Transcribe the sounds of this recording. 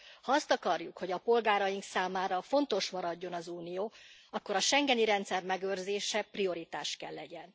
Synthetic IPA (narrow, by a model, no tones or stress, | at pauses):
hɒɒst̪ɒkɒrjukho̞ɟɒpo̞lɡaːɾɒjiŋksaːmaːɾɒfo̞nt̪o̞ʃmɒɾɒɟːo̞nɒzuːnijoːɒkːo̞ɾɒʃɛŋɡɛniɾɛnt̪sɛrmɛɡørzeːʃɛprio̞ɾit̪aːʃkɛlːɛɟɛn